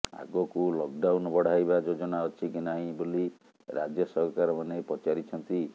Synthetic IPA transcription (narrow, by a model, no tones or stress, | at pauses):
a̰ɡɔkulɔk̚ɖawnɔbɔɽ̤ajbad͡ʒod͡ʒɔnaɔt͡ʃʰikinaɦĩboli | ɾa̰d͡ʒjɔsɔɦkaɾɔmanepɔt͡ʃaɾit͡ʃʰɔnt̪i